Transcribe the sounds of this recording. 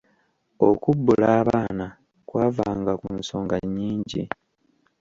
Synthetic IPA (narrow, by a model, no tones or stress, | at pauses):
o̞kubːulaːβaːna | kwaːvaːŋɡakunso̞ːŋɡaɲːiːɲɟḭ